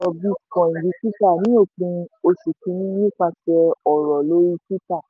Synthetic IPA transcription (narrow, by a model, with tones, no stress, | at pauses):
ɔ˧bi˦kɔ̃˨ĩ˨bi˨˦pi˦ta˦˨nĩ˨˦o˦˨k͡pĩ˧o˧ʃu˨kĩ˧ɾĩ˦nĩ˦k͡pa˧fɛ˧ɔ˨ɾɔ˨lo˦ɾi˦ki˦ta˦˨